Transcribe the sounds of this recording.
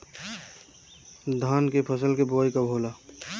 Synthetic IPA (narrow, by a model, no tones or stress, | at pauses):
d̪ʱaːnkepʰəs̬əlkeboajkəbʱoːla